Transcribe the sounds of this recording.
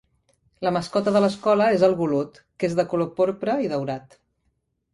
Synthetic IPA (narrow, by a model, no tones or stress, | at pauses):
ləməskɔt̪əðələskɔləezəlˠβulut̪ | kezðəkulopoɾpɾəiðəwɾat̪